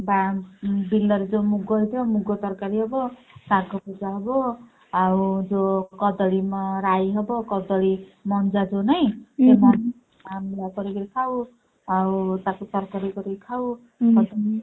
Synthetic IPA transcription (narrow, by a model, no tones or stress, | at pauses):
babilːʌɾd͡zomuɡʌɦijt̪ʰjomuɡʌt̪ʌrkaɾiɦʌbʌ | saɡʌpud͡zaɦʌbʌ | awd͡zokʌd̪ʌlimaɾajɦʌbʌkʌd̪ʌlimʌnd͡zad͡zonʌjt̪eman | amilakʌɾikʌɾikʰaw | awt̪akot̪ʌrkaɾikʌɾikʰaw | kʌd̪ʌ